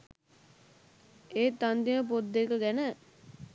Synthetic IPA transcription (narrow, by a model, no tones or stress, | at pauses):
eːt̪ːand̪iməp̬od̪ːekəɡɛnə